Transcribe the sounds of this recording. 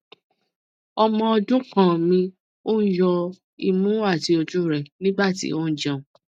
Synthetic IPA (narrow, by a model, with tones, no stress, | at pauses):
ɔ˧mɔ̃˧ɔ˧dũ˦kã˦˨mĩ˧ | o˦n̩˦jɔ˧ | i˨mũ˦a˦˨ti˧o˧d͡ʒu˦ɾɛ˨nĩ˦ɡ͡ba˦˨tḭ˨˦o˦n̩˦d͡ʒɛ̃˦˨